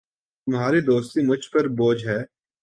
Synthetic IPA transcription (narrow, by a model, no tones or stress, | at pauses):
t̪ʊmɦaːɾid̪oːst̪imʊt͡ʃʰpɐɾboːd͡ʒɦɛː